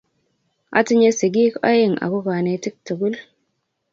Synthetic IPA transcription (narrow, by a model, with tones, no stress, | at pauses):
ʔa̰˦ti˦ɲe˦si˨ɡi˦ka̰˦ji˦˨ŋa̰˨ku˦ka˨ne˨ti˦k̚tu˨ɡu˦l